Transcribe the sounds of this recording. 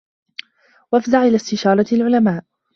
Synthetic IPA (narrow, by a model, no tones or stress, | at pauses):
wʔafzaʕʔɪlaːst̪ɪʃɑːɾˤɑlʕʊlamaːʔ